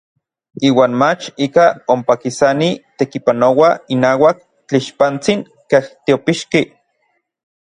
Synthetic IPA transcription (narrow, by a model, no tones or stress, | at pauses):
iːwaːnmat͡ʃikaompakisanit̪ekipanowainaːwak̚ | t͡ɬiʃpant͡siŋ | keht̪iopiʃki